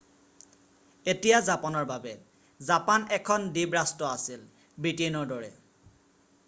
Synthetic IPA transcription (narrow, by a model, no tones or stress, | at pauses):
etijazapɔnɔɹbabɛ | zapanɛkʰɔndibɹastɔasil | bɹitenɔɹdɔɹɛ̰